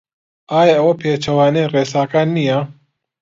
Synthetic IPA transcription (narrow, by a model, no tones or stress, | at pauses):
aːjaɐwɐpʰeːt͡ʃʰɐwaːnereːsaːkaːnːija